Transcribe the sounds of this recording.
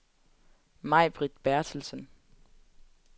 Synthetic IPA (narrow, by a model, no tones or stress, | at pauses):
mɑ̈ɪb̥ʁid̥b̥æɐd̥ʰl̩sən